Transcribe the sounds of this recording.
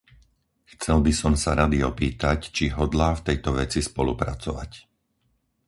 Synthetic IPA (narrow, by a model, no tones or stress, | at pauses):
xt͡sɛlbisɔmsaɾad̪iɔpiːt̪act͡ʃiɦɔd̪laːft̪ɛjt̪ɔʋɛt͡sispɔlṵpɾat͡sɔʋa̰c